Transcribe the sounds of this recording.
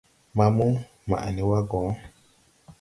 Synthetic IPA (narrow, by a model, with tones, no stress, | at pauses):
ma˨mu˦ | ma̰˨a˨ni˨wa˦ɡɔ˨˦